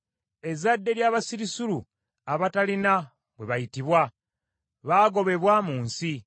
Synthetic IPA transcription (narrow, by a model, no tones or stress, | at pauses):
e̞zadːe̞ɾjaːβasiɾisulu | aβatalina | βwe̞βajitiβwa | βaːɡo̞βe̞βwaːmuːnsi